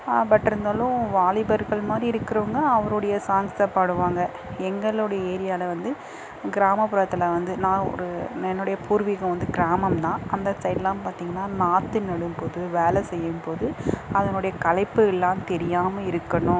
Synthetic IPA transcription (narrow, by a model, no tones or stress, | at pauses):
pɐʈːɪɾɯnd̪aːlʊ̃ʋaːlɪbɐɾɣɐɭmaːd̪ɾiɪɾɯkːɪɾɐʋŋɡɐːʋɐɾɯɽɐjɐsaːŋɡsɐpːaːɽɯʋaːŋɡɐ | ɛŋɡɐɭɔɽɐjɐeːɾɪjaːlɐʋɐnd̪ɯ | ɡɪɾaːmɐpːɯɾɐt̪ːɐlɐʋɐnd̪ɯnãːɔ̰ɾɯɛnːɯɽɐjɐpʰuːɾʋɪkːʊ̃ʋɐnd̪ɯɡɪɾaːmɐmt̪ãːʔɐnd̪ɐsɐɪʈlaːmpaːɾt̪iːŋɡɐnːaːnaːt̪ːɯnɐɽɯmpoːðɯʋeːlɛsɛjːɯmpoːðɯɐðɐnʊɽɐjɐkɐɭɐɪpːɯɛlːaːmt̪ɛɾɪjaːmɐɪɾɯkːɐɳʊ̃